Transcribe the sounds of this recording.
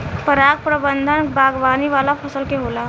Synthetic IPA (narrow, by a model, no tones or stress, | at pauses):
pəɾak̚pɾəbənd̪ʱənbʱaɡʋaniʋalafʰəsəlkeɦola